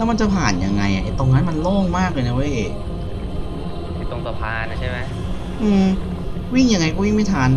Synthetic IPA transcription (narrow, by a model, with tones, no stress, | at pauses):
lɛː˦˥wma˧nt͡ɕa˨˧pʰaː˨˩nja̰˧ŋːa̰˧jʔa̰˨ʔe˨˩t̪o˧ŋːa˦˥nma˧nloː˥˩ŋmaː˥˩k̚lɤː˧na˧we˦˥˩ | a˧˩t̪o˧ŋt̪u˧˩pʰaː˧na˧˩t͡ɕʰa˥˩jma˦˥ | ʔɯː˧˩m | wi˥˩ŋja˧ŋːa˧jkɔ˥˩wi˥˩ŋma˥˩jt̪ʰaː˧n